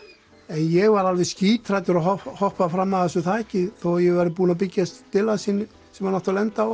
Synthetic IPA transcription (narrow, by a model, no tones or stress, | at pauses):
ɛnjɛɣvaɾalvɛsciːt̪ʰɾajt̪ʏɾaɦɔhɔhpafɾamːaðθɛsʏθʰaɛhcːɪθowjɛɣvaɾɪpuːnapɪcːast̪t̪ɪlasinːɪ | sɛmvaɾnaht̪alɛnt̪a